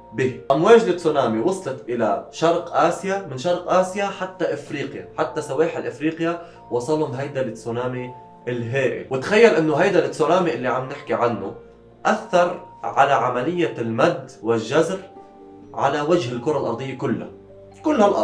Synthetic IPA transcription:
biːʔamweːd͡ʒlɪt̪suːnaːmiwɑsˤlɑt̪ʔɪla̰ʃɑɾˤqʔaːsjamɪnʃɑɾˤqʔaːsjaħat̪ːaʔɪfɾiːqjaħat̪ːasaweːħɪlʔɪfɾiːqja | wɑsˤɑlhʊmɦajd̪alɪsunaːmi | ʔɪlɦeːʔɪ̰wɪt̪xajːalʔɪnːʊɦajd̪alɪsonaːmiʔɪlːiʕamːnɪħkiʕanːʊ | ʔaθːɑɾˤʕalaʕamalɪjːalmad̪wɪlʒazɾ | ʕa̰lawad͡ʒhɪlkʊɾˤɑlʔɑ̰ɾˤd̪ˤɨjːakʊlːa̰ | kʊlːhalʔɑ

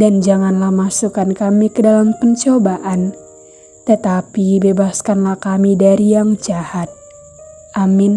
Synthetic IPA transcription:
dand͡ʒaŋanlahmasukankamikədalampəɲt͡ʃobaʔan | t̪ət̪apibebaskanlahkamidaɾijaŋd͡ʒahat̪̚ | ʔamin

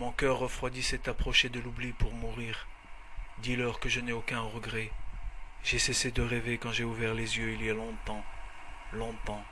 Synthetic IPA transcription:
mɔ̃kœʁːəfχwad̪isɛt̪apχɔʃed̪əlublipuʁmuʁiːʁ | d̪ilœʁkəʒənɛokɛ̃ʁəɡʁɛ | ʒ̥ɛsesed̪əʁevekɑ̃ʒeuvɛʁlezjøilijalɔ̃t̪ɑ̃ | lɔ̃t̪ɑ̃

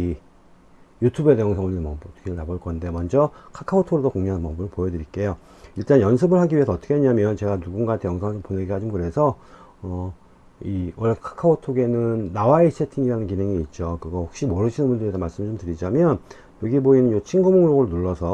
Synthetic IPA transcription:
i | jutʰube̞dejʌŋsʰʌŋunimʌʌtʰʌ̥kʰeɾɯɭtaboɭk͈ʌnde̞mʌnd͡ʑʌkʰakʰaotʰoɾodokoŋɲuɦanpʌbɯɾpojʌdɯɾik͈e̞jo | iɭt͈anjʌns̬ʰɯbɯɭɦaɡiɥiɦe̞sʰʌːt͈ʌkʰeɲamjʌnt͡ɕe̞ɡanuɡunɡantʰe̞jʌŋsʰʌŋponeɡiɦad͡ʑimɯkɯɾe̞sʰʌ | ʌ | iwʌɭːekʰḁkʰaotʰoɡe̞nɯnːawaessʰetʰiŋiɾanɯnk̬inɯŋiiːt̚t͡ɕ͈okɯiɡʌhok̚ɕ͈imoɾɯɕʰinɯnbundɯɾiamaɭs͈ɯmɯɭt͡ɕomtɯɾid͡ʑamjʌn | joɡiboinɯnot͡ɕʰinɡumoŋɾoɡɯɾnuɭːʌsʰʌ

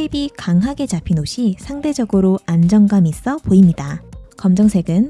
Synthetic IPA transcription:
eibikaŋɦaɡe̞t͡ɕapʰinoɕʰisʰaŋde̞d͡ʑʌɡɯɾoʔand͡ʑʌŋɡamis͈ʌpoimɲidakʌmd͡ʑʌŋsʰe̞ɡɯn

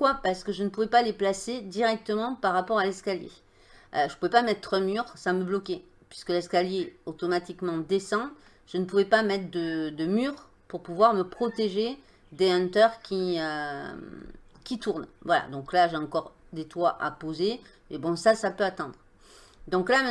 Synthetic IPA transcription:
kwapaʁsə̥kəʒənəpuvɛpaleplased̪iʁɛk̚t̪əmɑ̃paʁːapɔʁalɛskaljḛ | øʒəpuvɛpamɛt̪χəmyʁsaməblɔkʲe | pɥiskəlɛskaljeot̪ɔmat̪ikmɑ̃d̪esɑ̃ | ʒ̥ənəpuvɛpamɛt̪χəd̪əd̪əmyːʁ | puʁpuvwaʁməpχɔt̪eʒe | d̪eɛ̃nt̪œʁkʲiø | kʲit̪uʁnvwala̰d̪ɔ̃klaʒeɑ̃kɔʁ | d̪et̪waʔa̰poze | mebɔ̃sasapøat̪ɑ̃d̪ʁ | d̪ɔ̃klam

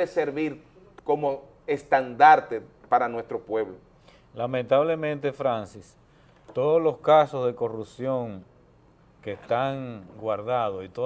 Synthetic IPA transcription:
eseɾβiɾ | komo | est̪and̪aɾt̪epaɾanwe̞st̪ɾopwe̞βlo | lamẽnt̪aβle̞mẽ̞nt̪e̞fɾansis | t̪o̞ðozlo̞skasozðe̞ko̞rupsjo̞ŋ | kest̪aŋɡwaɾðaðosit̪o

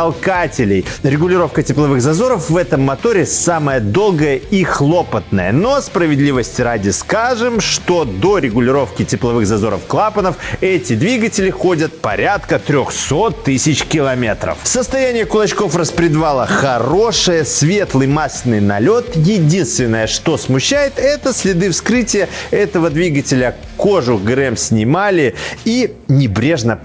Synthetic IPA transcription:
ɐlˠkatʲɪlʲɪjɾʲɪɡʊlʲɪɾo̞fkətʲɪplˠɐvɨɣzɐzo̞ɾəfvɛt̪əmːɐt̪o̞ɾʲɪsaməjəd̪o̞lˠɡəjəixlˠo̞pət̪nə̰jəno̞spɾəvʲɪd̪lʲivəsʲtʲɪɾadʲɪskaʐɨmʂt̪o̞d̪o̞ɾʲɪɡʊlʲɪɾo̞fkʲɪtʲɪplˠɐvɨɣzɐzo̞̰ɾə̰fklˠapənəfɛtʲɪd̪vʲiɡətʲɪlʲɪxo̞dʲət̪̚pɐ̰ɾʲat̪kət̪ɾʲoxso̞t̪ːɨsʲɪt͡ɕkʲɪlˠɐmʲet̪ɾə̰fsəst̪ɐjænʲɪjəkʊlˠɐt͡ɕko̞frəspɾʲɪd̪valˠəxɐɾo̞ʂɨjəsʲvʲe̞t̪lˠɨjmasʲnɨjnɐlʲo̞t̪jɪdʲinst̪vʲɪnːəjəʂt̪o̞smʊɕːæjɪt̪ɛt̪əsʲlʲɪd̪ɨfskɾɨtʲɪjəɛt̪əvəd̪vʲiɡətʲɪlʲə | ko̞ʐʊɡɾɛmsʲnʲɪmalʲɪinʲɪbɾʲe̞ʐnə

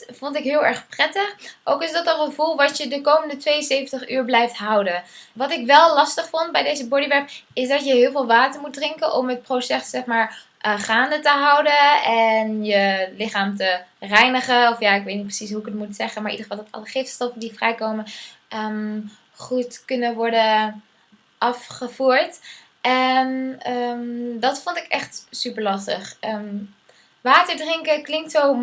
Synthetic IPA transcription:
vɔntɪkɦɪːlˠɛɹχprɛtəχʔowkɪsdɑtənχəvulˠʋɑtjədəkowməndətʋejənsejvəntəχyːɹblɛjftɦɑwdənʋɑtɪkʋɛlˠlɑstəχfɔnd̚bɛjdejzəbɔɹdiʋɛɹpɪsdɑjəɦɪːlˠvɪːlˠʋaːtəɹmut̚drɪŋkənʔɔmɦət̚prowsɛsːɛχmaːɹ | χaːndətəɦɑwdəɛnjəlɪχaːmtərɛjnəχəɔfjaːɪkʋejtnit̚prəsisɦuəkətmutsɛχənmaɹʔḭdəχə̥fɑlˠdɑtɑ̰ləχɪftstɔfəndivrɛjkowmənʔəm | χutkɵnənʋɔɹdə | ʔɑfχəvuːɹt | ʔɛnəmdɑtfɔntɪkɛχtsypəɹlɑstəχəm | ʋaːtəɹdrɪŋkəklɪŋk̚tsow

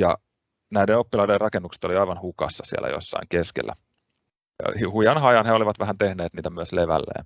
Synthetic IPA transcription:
jɑ̰ | næidenopːilɑiderrɑkenːukse̥t̪oliɑiʋɑnhukɑ̰sːɑsiæ̰læ̰jo̰sːɑ̰iŋkeskḛlːæ̰ | ɑ̰hihujɑnhɑjɑnheoliʋɑt̪ʋæhænt̪ehneːt̪niːt̪æmyøsleʋæ̰lːḛːn

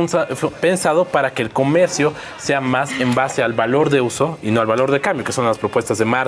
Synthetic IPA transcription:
ape̞nsað̞o̞paɾake̞ːlko̞me̞ɾsjo̞ | se̞amasembase̞alβalo̞ɾðeuso̞ino̞alβalo̞ɾðe̞kambjo̞keso̞nlaspɾo̞pwe̞st̪azðe̞maɾ

